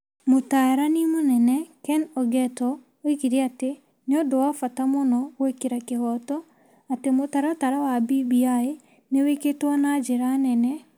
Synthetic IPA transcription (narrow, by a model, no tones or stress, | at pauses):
motaɾanimonɛnɛkɛnɔɡɛtɔ | oikiɾiate | neɔdowafatamɔnɔɣwekeɾakeɣɔtɔ | atemotaɾataɾawabibiae | neweketwanad͡ʒeɾanɛnɛ